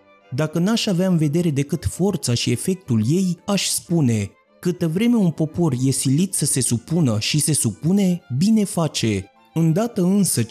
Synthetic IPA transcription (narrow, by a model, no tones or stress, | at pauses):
d̪akənaʃaveaɨnve̞d̪e̞ɾe̞d̪e̞kɨt̪fo̞rt̪saʃie̞fe̞k̚t̪ulje̞jaʃʲspune̞ | kɨt̪əvɾe̞me̞unpo̞po̞rje̞silit̪səse̞supunəʃise̞supune̞bine̞fat͡ʃe̞ | ɨnd̪at̪əɨnsə